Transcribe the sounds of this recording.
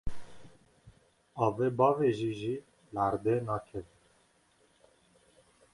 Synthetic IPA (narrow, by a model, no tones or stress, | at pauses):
ɑːveːbɑːveːʒiːʒiː | læɾd̪eːnɑːkʰɛvi